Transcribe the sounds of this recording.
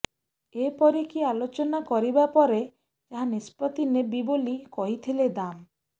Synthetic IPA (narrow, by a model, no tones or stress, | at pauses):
epɔɾikialot͡ʃɔnakɔɾibapɔɾe | d͡ʒaɦãnispɔt̪inebibolikɔɦit̪ʰiled̪am